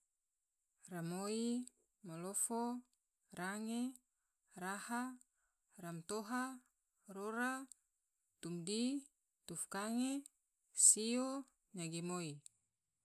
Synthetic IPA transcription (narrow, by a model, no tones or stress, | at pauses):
ramoi | molofo | raŋe | raha | ramt̪oɦa | roɾa | t̪umdi | t̪ufkaŋe | sio | ɲaɡimoi